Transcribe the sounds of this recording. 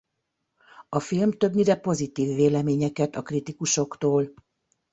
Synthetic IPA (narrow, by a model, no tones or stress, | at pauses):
ɒfilmt̪ø̞bniɾɛpo̞zit̪iːvːeːlɛmeːɲɛkɛt̪ɒkrit̪ikuʃo̞kt̪oːl